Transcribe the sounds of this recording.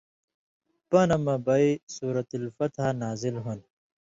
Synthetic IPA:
pɐnɐmɐbɐjsuːɾɐt̪ɐlfɐt̪hanaːzilɦun

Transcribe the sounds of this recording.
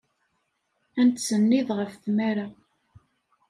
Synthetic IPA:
ænt̪sənːiðʁəfθmæɾa

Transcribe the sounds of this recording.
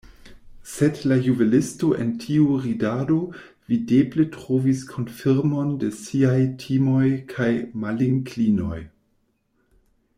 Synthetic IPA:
sedlajubelɪsto̞ʔḛntʰiuʁidado̞ | videbletʁoviskʰo̞nfiɾmo̞ndesiajtʰimo̞jkʰajmaliŋklino̞̰j

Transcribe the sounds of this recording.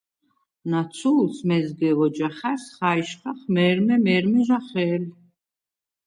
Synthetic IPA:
nat̪sʰulsmɛzɡɛvɔd͡ʒaχɛsχajʃχaχmɛːɾmɛmɛɾmiʒaχɛːl

